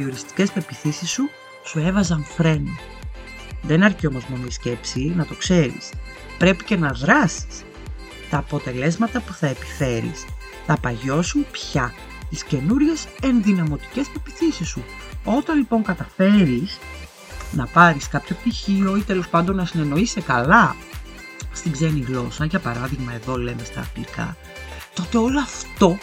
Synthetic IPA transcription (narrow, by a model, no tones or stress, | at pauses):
io̞ɾist̪i̥ce̞spe̞piθisisːu | sue̞vɐzɐɱfɾe̞no | ðe̞nɐɾcio̞mo̞zmonisce̞psinɐt̪o̞kse̞ɾḭs | pɾe̞pice̞nɐðɾɐsi̥s | t̪ɐːpo̞t̪e̞le̞zmɐt̪ɐpuθɐepi̥fe̞ɾḭs | θɐpɐʝo̞sumpçɐ | t̪isce̞nuɾʝe̞se̞nðinɐmo̞t̪i̥ce̞spepi̥θisisːu | o̞t̪ɐnlipo̞ŋkɐt̪ɐfe̞ɾis | nɐpɐɾiskɐpço̞p̚t̪içio̞it̪e̞lo̞spɐnd̪o̞nːɐsine̞no̞isekɐlɐ | st̪iɡze̞niɣlo̞sɐʝɐpɐɾɐðiɣmɐe̞ðo̞le̞me̞st̪ɐ̰ːpikɐ̰ | t̪o̞t̪e̞o̞loɐft̪o̞